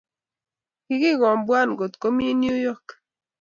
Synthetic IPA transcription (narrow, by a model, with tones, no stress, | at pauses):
ki˦ɡi˦ɣɔ˨mbwa˦˨nɡo˨t̪ko˦mi˦njo˦jo˦k